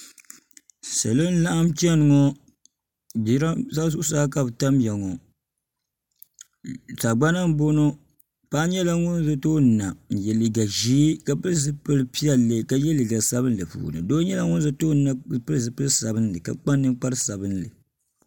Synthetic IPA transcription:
sa˨lo˦n˦la˦ʔa˦mt͡ʃi˦ɛ˦nɨ˨ŋɔ˦ | bi˨˦ɾa˦sa˦s̬u˦saː˦ka˨bta˦m˦jɛ˨ŋɔ˨ | ta˨ɡ͡ba˦na˦m˦bo˦no˦ | pa˦ɲɛ˦la˦ŋʊ˦n˦za˨to˦˨na˨n̩˨jɛ˨li˨ɡa˨ʒi˦ka˨pɨ˦zɨ˦pɨ˦lɨ˦pi˦ɛ˦lːɨ˨ka˦jɛ˦li˨ɡa˨sa˦bɨ˦n˦lɨ˨pṵː˨nɨ̰˨doː˦ɲɛ˦la˦ŋʊ˦n˦za˦toː˦na˦˨pɨ˦lzɨ˨pɨ˦lsa˨bɨ˦n˦lɨ˨ka̰˨k͡pa˦nː˦ɨ˦ŋk͡pa˦ɾɨ˦sa˨bɨ˦nlɨ˨

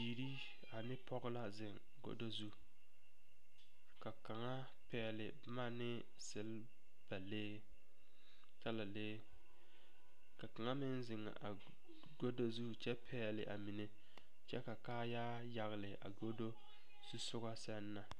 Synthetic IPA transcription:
biː˨ɾi˦ | a˨nɪ˦pʰɔ˦ɣɪ˦la˦zɪ˨ŋ | ɡo̰˦do˦zu˦ | ka˨ka˨ŋa˦ | pɛː˨lɪ˨bma˦nɪ˦ | sɪ˨l | b̥a˨leː˦ | t͡ʃa˦la˨leː˦ | ka˨ka˨ŋa˦mɪ˦nzɪ˨ŋ˨a˨ | ɡo˦do˦zu˦t͡ʃɛ˦pʰɛː˦˨lɪ˨ʔa̰˨mi˨ne˦ | t͡ʃɛ˦ka˨kaː˦jaː˦ | ja˨ɣɪ˨lɪ˨a̰˨ɡo˦do˦ | z̥u˦sʊ˦ɣa˦sɛ˦nːa˨

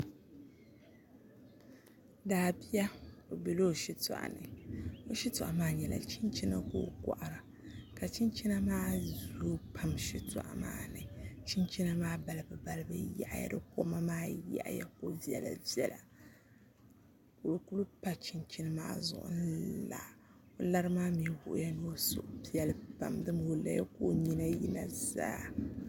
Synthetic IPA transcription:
daː˨bi˦ja˦o˨bi˨lo˦˨ʃi˦ta̰˨ʔa̰˨nɨ̰˨o˨ʃi˦tu˨ʔa˨maː˦ɲɛ˨la̰˨t͡ʃi˦nt͡ʃi˦na̰˦ko̰˨˦˨ka̰˨ʔa˨ɾa˨ | ka˨t͡ʃi˦nt͡ʃi˦na˦maː˦zu˨ɾo˦pʰa˦mʃi˦ta̰˨ʔa̰˨ma̰ː˦nɨ˨t͡ʃi˦nt͡ʃi˦na˦maː˦ba˨lɨ˨bɨ˨ba˦lɨ˦bɨ˨ja̰˨ʔja̰˨dɨ˦ko˦ma˦maː˦ja̰˦˨ʔja̰˨ko˦vi˦ɛ̰˨la̰˨vi˦ɛ˨la̰˨ | ko˨lku˦lu˦pa˦t͡ʃi˦nt͡ʃi˦nɨ˦ma̰ː˦zʊ̰˨ʔʊ̰˦n̩˦la̰˨ | o˨la˦ɾɨ˦maː˦mi˨wʊ˨ʔʊ˦ja˦no˦sʊ̰˦˨ʔpi˦jɛ˦lpa̰˨mdɨ˦mho˨la̰˦ja̰˦ko˦ɲi˦na˦ji˦na˨za̰ː˦

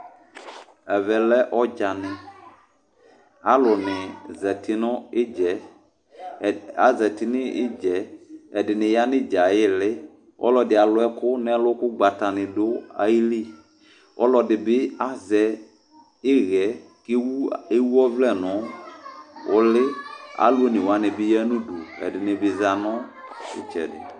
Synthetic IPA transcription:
ɛ˨vɛ˨lɛ˦ʔɔ˦d͡ʒa˨nɪ̃˨ | a˦lʊ˨nɪ̃˨zɛ˨tɪ˦nɔ̃˦ɪ˦d͡ʒɛ˨ | a˨zɛ˨ti˦nɪ̃˦ɪ̰˦d͡ʒɛː˨˦˨dɪ˨nɪ̃˨ja˦nɪ̃˦d͡ʒa˨jɪ˦lɪ˦ | ɔ̰˦lɔ˨dɪ˨a˨lʊ˨˦ɛ˦kʊ˦nɛ̃˦lʊ˦kʊ˦ɡ͡ba˨ta˨nɪ̃˨dʊ˦a̰˦ji˦li˦ | ɔ˦lɔ˨dɪ˨bɪ˦a˦zɛ˨˦ | ɪ˦ɣɛ˨˦ | ke˦we˦wu˦ɔ˦vlɛ˦˨nɔ̃˨˦ | ʊ̰˨lɪ˦a̰˨˦lu˦o˦nɪ̃˨wa˨˦nɪ̃˨bɪ˦ja˦nũ˦du˨ɛ̰˨dɪ˨nɪ˨bɪ˨za˨nɔ˦ɪ̰˦t͡ʃɛ̰˨dɪ̰˨

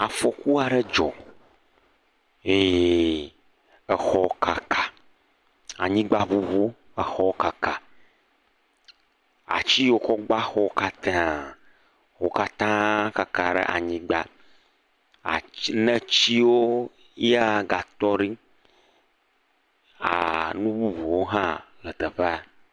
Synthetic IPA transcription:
a˨fɔ˨ku˦a˨ɖɛ˦d͡ʒɔ˨ | e˨ | ə˨xɔ˨ka˨kʰa˨ | a˨ɲĩ˦ɡ͡ba˦βu˦βo˦ | ə˨xɔ˦ka˨ka˨ | a̰˨t͡ɕi˦wo˦kɔ˦ɡ͡ba˦xɔ˦ka˦t̪e˨ã˨ | wo˦ka˦t̪ã˦ka˦ka˨ɖɛ̰˦ʔa̰˨ɲĩ˦ɡ͡ba˨ | a̰˨nɛ̃˦t͡ɕi˦wo˦ | a˦ɡa˨t̪ɔ˦ɖi˦ | a̰˨nũ˦βu˦βu˨wo˦ɦã˦lə˨t̪ə˨ɸɛ˦a˨

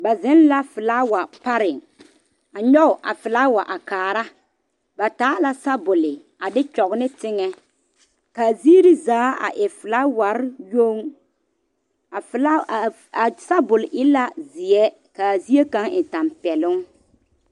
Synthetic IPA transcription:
ba˨zɪ˦n˦la˦fɪ˨la˦wa˨pa˦ɾɪ˨ŋ | a˨ɲɔ˦ʊ˨ʔa̰˨fɪ˨la˦wa˨ʔa˨kaː˨ɾa˦ | ba˨taː˨˦la˦sa˦bʊ˨lɪ˨ | a˨dɪ˦t͡ʃɔ˨ɣnɪ˦tɪ˦ŋɛ˦ | kaː˨zi˦ɾi˦zaː˨˦a̰˨ʔɪ˨fɪ˨la˦wa˨ɾjo˦ŋ˨ | fla˦˨ | a˨sa˦bʊ˨lʔɪ˦la˦zɪ˨ɛ˦ | kaː˨zi˦e˦ka˦ŋɪ˨ta˨mpɛ˨lʊ˦ŋ

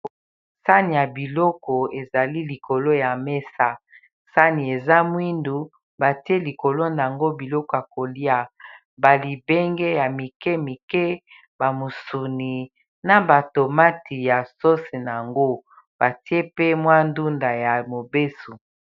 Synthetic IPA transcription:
sa˦ni˨ja˨bi˨lɔ˦kɔ˨e˨za˨li˦li˨kʰo˨lo˦ja˨me˦sa˦ | sa˦ni˨e˨za˦mwi˦ndu˨ | ba˨ti˦e˦li˨ko˨lo˦na˨a˨ŋɡo˦bi˨lɔ˦kɔ˨ja˨ko˨li˦a˦ | ba˨li˨bɛ˦ŋɡɛ˦ja˨mi˨kɛ˦mi˨kɛ˦ | ba˨mo˨su˨ni˨ | na˨ba˨to˨ma˦tʰi˨ja˨so˦se˨n˨ŋɡo˦ | b̥a˨ti˦e˦pe˦mwa˦ndu˦nda˨ja˨mo˨be˦su˨

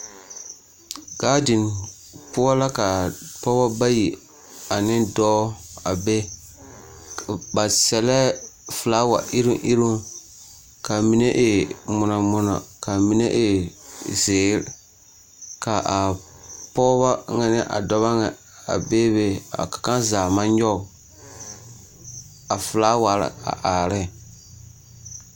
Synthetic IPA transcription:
ɡ̥aː˦dɪ˨n | pʊ˦ɔ˦la˦ka˨pɔ˦ba˦ba˦ji˨ | a˨nɪ˦ndɔː˦a˨be˦ | ba˨sɛ˨lɛ˦fɨ˨laː˦wa̰˨ʔɪ˦ɾi˦ʔi˦ɾu˦ | ka˨mi˨ne˦ʔɪ˨mʊ˨na˨mʊ˦nɔ̰˨ka˨mi˦ne˦ʔɪ˨zeː˨˦ɾ | ka˨ʔa˨ | pɔ˦βa˦ŋa˨nɪ˦ʔa̰˨dɔ˦βa˦ŋɛ˨ | a̰˨be˦be˦a̰˨kḁ˨ka˦nzaː˨ma˦ɲ˦ɔ˦˨ | a˨fɨ˨laː˦wa˨ɾa̰˨a̰˨ʔaː˨ɾɪ˦˨

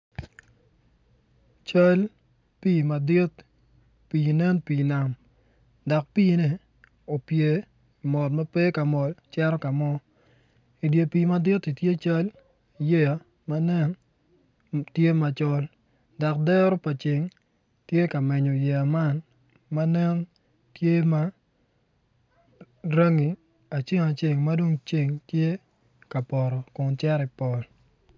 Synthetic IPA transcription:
t͡ʃa˦l | piː˦˨ma˨dɪ˦t | piː˨nɛ˦npiː˨na˨m | da˨k̚piː˦nɛ˨ | o˨pje˨ | mɔ˨tma˦pe˦ka˨mɔ˨lt͡ʃɛ˦ɾɔ˦ka˨mɔ˦ | i˨dje˨piː˨ma˨dɪ˦ti˨tje˦t͡ʃa˦l | je˦a˨ | ma˦nɛ˦n | tje˦ma˨t͡ʃɔ˦l | da˨kdɛ˦ɾɔ˦pa˨t͡ʃɪ˨ŋ | tje˦ka˨mɛ˨ɲɔ˨jɛ˨a˨ma˦n | ma˦nɛ˦ŋ | tje˦ma˦ | ɾa˦ŋi˨ | a˨t͡ʃe˦ŋa˨t͡ʃe˨ŋma˦do˦ŋt͡ʃe˦˨ŋtje˦ | ka˨pɔ˨ɾɔ˨kʊ˨ŋt͡ʃɛ˦ɾɪ˨pɔ˨l

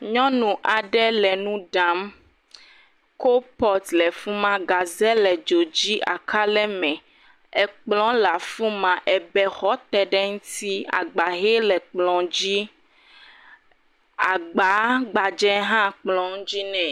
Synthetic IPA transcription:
ɲɔ̃˦nũ˨ʔa˨ɖɛ˦lɛ˨nũ˦ɖa˨˦m | ko˦pɔ˦t̪lɛ˨fu˦mã˦ɡa˨zɛ˦lɛ˨d͡ʒo˨d͡ʑi˦ʔa̰˨ka˦lɛ˦mɛ̃˨ | ɛ˨k͡plɔ̃˦la˨fũ˦mã˨ʔɛ˨bɛ˦xɔ˦t̪ɛ˨ɖɛ˦ŋũ˦t̪i˦a̰˨ɡ͡ba˨ɦe˦lɛ˨k͡plɔ̃˨d͡ʑi˦ | a˨ɡ͡ba˨˦ɡ͡ba˨d͡ʒɛ˦ɦã˦k͡plɔ̃˨ŋ˦d͡ʑi˦nɛ̃˨

